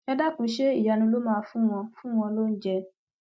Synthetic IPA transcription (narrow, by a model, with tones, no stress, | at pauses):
a˧da˦kũ˧˦ʃe˦ḭ˦˨ja˨nũ˧lo˦mãː˦˧fũ˦w̃ɔ̃˧fũ˦w̃ɔ̃˧lo˦n̩˦d͡ʒɛ˧